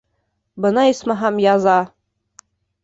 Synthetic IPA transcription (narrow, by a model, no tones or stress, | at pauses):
bɤ̆nɑismɑɦæmjɑzɑ